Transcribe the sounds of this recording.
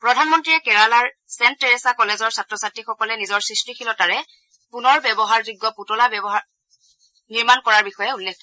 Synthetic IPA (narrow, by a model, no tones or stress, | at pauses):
pɹɔdʱanmɔntɹijɛkɛɹalaɹ | sɛnttɛɹesakɔlɛzɔɹsatɹɔsatɹixɔkɔlɛnizɔɹsɹistikʰilɔtaɹɛ | punɔɹbɛbɔɦaɹdiɡːɔputɔlabɛbɔɦaɹ | niɹmankɔɹaɹbixɔjɛulːekʰtʰɔ